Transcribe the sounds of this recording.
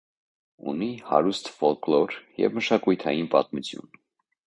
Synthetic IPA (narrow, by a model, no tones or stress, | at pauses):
ṵnihɑ̰ɾust̪fɔlklɔɾjɛ̰vməʃɑkujt̪ʰɑjinpɑt̪mut͡sʰjṵn